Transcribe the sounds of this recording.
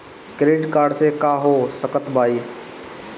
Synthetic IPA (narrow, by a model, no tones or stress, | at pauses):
kɾeːʈkaːɾɖsekaːɦoːsəkət̪bʱaːiː